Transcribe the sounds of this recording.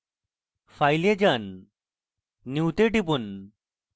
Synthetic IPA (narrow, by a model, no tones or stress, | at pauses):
fajled͡ʑan | iwt̪eɖibun